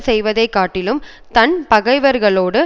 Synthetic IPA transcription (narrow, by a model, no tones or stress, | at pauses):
sɛjʋɐðɐɪkːaːʈːɪlɯm | t̪ɐnpɐɣɐɪʋɐɾɣɐɭoːɽɯ